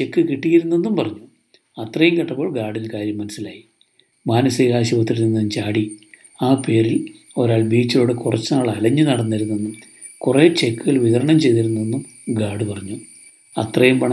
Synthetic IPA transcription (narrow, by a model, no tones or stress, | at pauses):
t͡ɕe̞kːɨkiʈːijiɾunːenːumpɐrɐɲːu | ɐt̪rɐjumkɐʈːɐpːo̞ːɭɡaːɽilkaːɾjɐmːɐnɐsːilaːji | maːnɐseɣaːɕuʋɐt̪ːiɾinenːɐðumt͡ɕaːɽi | aːpe̞ːɾil | o̞ɾaːɭbiːt͡ɕːilo̞ːɽekurɐt͡ɕːɨnaːɭɐlɐɲːɨnɐɽɐnːiɾunːenːum | kure̞ːt͡ɕe̞kːɨɣɐɭʋiðɐɾɐɳɐmt͡ɕe̞jðiɾunːuenːum | ɡaːɽɨpɐrɐɲːu | ɐt̪rɐjumpɐɳɐ